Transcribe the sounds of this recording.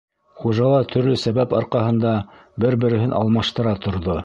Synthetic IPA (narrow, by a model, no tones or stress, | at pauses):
χuʒɑlˠɑt̪ʰɵ̆ɾlɵsæβæpɑɾqɑhɤ̆nd̪ɑbɘɾbɘ̆ɾɘ̆ɦɘnʔɑ̰lˠmɑʃt̪ɤ̆ɾɑt̪ŏɾðo